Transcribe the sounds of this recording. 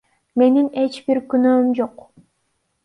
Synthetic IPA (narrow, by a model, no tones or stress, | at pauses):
me̞nine̞t͡ʃbiɾkynøːmd͡ʒo̞q